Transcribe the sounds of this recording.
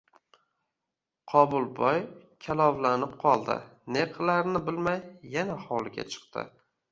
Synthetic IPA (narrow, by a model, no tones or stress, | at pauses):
qʰɒbʊlˠbɒjkʲʰalˠɒwlanɪp̚qʰɒlˠd̪ɪ̰ne̞qʰlaɾnɪbɪlmajːanahɒlˠɪɡʲa̰t͡ʃʰɨ̥qt̪ʰɪ̰